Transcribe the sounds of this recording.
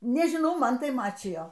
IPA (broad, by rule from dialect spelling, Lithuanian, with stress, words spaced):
nʲɛʒʲɪˈnɐʊ ˈmɐn tɐɪ ˈmɑːt͡ʃʲɪjoː